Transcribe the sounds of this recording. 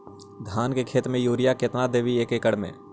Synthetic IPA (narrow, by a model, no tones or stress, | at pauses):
d̪ʱaːnkekʰeːt̪mẽjuːɾɪjakɪt̪nad̪eːʋieːkekəɽmḛ̃ː